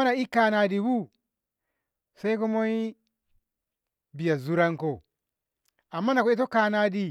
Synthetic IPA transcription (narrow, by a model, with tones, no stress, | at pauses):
na˨i˦ka˦na˨di˨bu˦ | sa˦i˦ko˦mo˦i˦ | bi˨ja˨zu˦ɾa˦ŋko˨ | a˨mːa˦na˨ko˦i˦t̬o˦ka˦na˦di˦